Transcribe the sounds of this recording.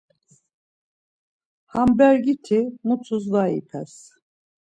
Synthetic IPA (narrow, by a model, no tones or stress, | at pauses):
hambæɾɡit̪ʰimut̪ʰuzvaḭpʰɛ̰s